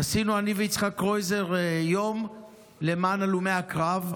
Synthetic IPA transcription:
asinuaniveit͡sχakʁo̞jzeʁjo̞m | le̞maːnalumeakʁav

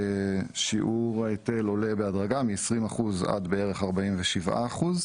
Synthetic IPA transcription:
ʃiʔuʁaete̞lo̞lebeadʁaɡamiesʁimaχuza̰d̪beeʁeχaʁbaimveʃivʔa̰ːχuz

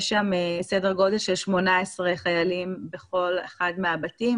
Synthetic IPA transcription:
ʃamesedeʁɡo̞delʃelʃmo̞naesʁeχajalimbeχo̞leχadmeabatim

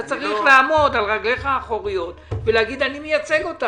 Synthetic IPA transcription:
at͡saʁiχlaamo̞d̪alʁaɡle̞χaːχo̞ʁijo̞tveleaɡid̪animejat͡se̞ɡo̞t̪a

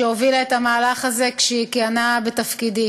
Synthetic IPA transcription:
eovilaetamaːlaχaze̞kʃeikianabet̪afkidi

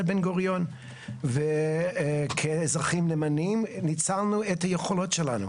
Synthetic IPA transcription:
lbenɡoʁjon | ve | kʰezʁaχimlemanimnit͡salnuetajeχolotʃelanṵ

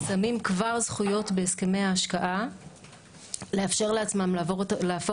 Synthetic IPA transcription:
samimkvaʁzχujo̞t̪beːske̞me̞aːʃkaʔa | le̞afʃe̞ʁle̞at͡smamleafo

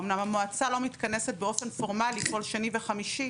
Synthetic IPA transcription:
omnamamoat͡salo̞mitkɐne̞set̚beo̞fe̞nfo̞ʁmaliko̞lʃanive̞χamiʃi

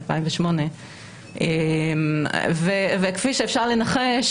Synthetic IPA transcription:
lpa̰imveʃmo̞ne | ʔemvevekfiʃeːfʃaʁlenaχeʃ

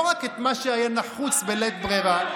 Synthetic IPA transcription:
ʁaket̪maʃeajanaχut͡sbelet̪̚bʁiʁa

